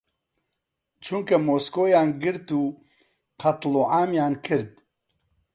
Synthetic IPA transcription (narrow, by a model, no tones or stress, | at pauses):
t͡ʃʰuŋkɐmoːskoːjaːnɡɨɾt̪uː | qʰɐt̪loːʕaːmjaːnkʰɨɾd̪